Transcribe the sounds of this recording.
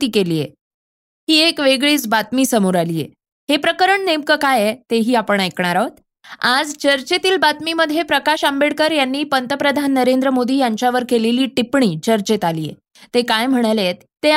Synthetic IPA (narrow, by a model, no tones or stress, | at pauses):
t̪iːkeliːjḛ | ɦiːekʋeɡɭiːt͡sbat̪miːsəmuɾaliːjḛ | ɦepɾəkəɾəɳnemkəkajet̪eɦiːapəɳ̃ajkɳaɾat̪ | ad͡zt͡ɕəɾt͡ɕet̪iːlbat̪miməd̪ʱjepɾəkaɕambeɽkəɾjanːiːpənt̪əpɾəd̪ʱanːəɾend̪ɾəmod̪ʱiːjaɲt͡ɕjaʋəɾkeleliːʈipɳiːt͡ɕəɾt͡ɕet̪alijḛ | t̪ekajm̤əɽ̃alet̪ːe